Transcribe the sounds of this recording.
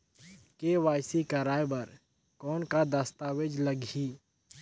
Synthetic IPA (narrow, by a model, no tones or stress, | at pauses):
keːʋaːjsikaɾaːjbɐɾ | kɔːnkad̪ast̪aːwed͡ʒləɡiː